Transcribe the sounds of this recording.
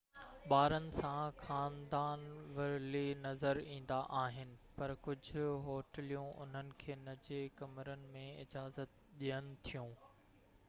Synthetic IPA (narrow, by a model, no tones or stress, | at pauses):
ɓaːɾənɪ̆sãxaːnd̪aːnʋɐɾlinɐzəɾĩːn̆d̪aʔaːɦɪnɪ̆pɐɾkʊd͡ʑʱʊɦoːʈəlijũʔʊ̰n̤ənɪ̆kʰeːnɐd͡ʑekɐmɾənɪ̆mẽɪd͡ʑaːzət̪̚ | ɗijənɪ̆t̪ʰijũː